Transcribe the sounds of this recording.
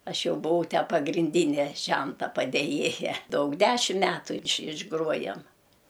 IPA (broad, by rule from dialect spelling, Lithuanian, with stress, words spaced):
ˈɐʃ ˈjɛʊ bʊˈʋɐʊ ˈtʲæː pɐɡrʲɪnʲˈdʲiːnʲɛ ˈʒʲɛntɐ pɐdʲeːˈjeːjɛ ˈdɐʊk ˈdʲæːʃʲɪm ˈmʲæːtuː ɪʃ ɪʒˈɡruɔjɛm